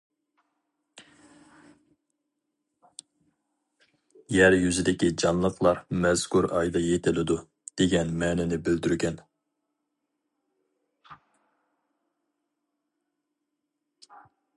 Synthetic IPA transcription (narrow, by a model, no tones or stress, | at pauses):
jæɾjyzɪd̪ɪkʲid͡ʒɑnlˠəqlˠɑɾmɛz̥kuɾɑjd̪ɑjet̪ʰɪlɪd̪u | d̪̥eɡʲɛnmɛːnɪnɪbɪld̪yɾɡʲɛn